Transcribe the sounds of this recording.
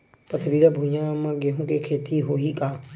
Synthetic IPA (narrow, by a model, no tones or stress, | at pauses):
pɐt̪ʰɾiːɾəbʱũːjãːmãɡeɦũːkeːkʰeːt̪iːɦoːiːkãː